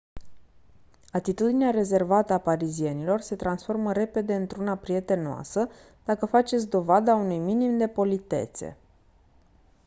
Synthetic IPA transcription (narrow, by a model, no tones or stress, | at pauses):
at̪it̪ud̪ineaɾe̞ze̞rvat̪əapaɾizie̞nilo̞rse̞t̪ɾansfo̞rməɾe̞pe̞d̪e̞ɨnt̪ɾunapɾije̞t̪e̞noa̰sə | d̪̥akəfat͡ʃet̪sʲd̪o̞vad̪aunujminimd̪e̞po̞lit̪e̞̰t̪se̞̰